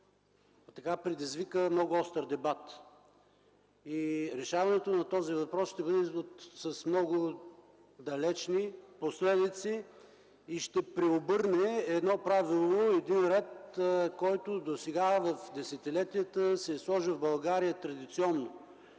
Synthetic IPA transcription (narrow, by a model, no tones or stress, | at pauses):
t̪ɐkapɾɛd̪izvikəmnɔɡʊɔst̪ɾd̪ɛbat̪ | iɾɛʃavɐnɛt̪onɐt̪ɔzivɐpɾɔsʃt̪ɛbɤd̪ɛot̪səsmnɔɡʊ | d̪ɐlɛt͡ʃniposlɛd̪it̪siː | ʃt̪ɛpɾɛobɤɾnɛːd̪nɔpɾavilˠoɛd̪inɾɛt̪kɔjt̪ʊd̪osɛɡavɐfd̪ɛsɛt̪ɛlɛt̪ijət̪əsɛslˠɔʒəvbɐlˠɡaɾijət̪ɾɐd̪it̪siɔnːo